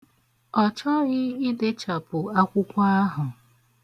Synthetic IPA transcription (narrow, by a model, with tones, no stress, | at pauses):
ɔ˨t͡ʃɔ˦ɣɪ˦i˦de˦t͡ʃa˨pʊ˨a˦kʷʊ˦kʷa˦a˦ɦʊ˨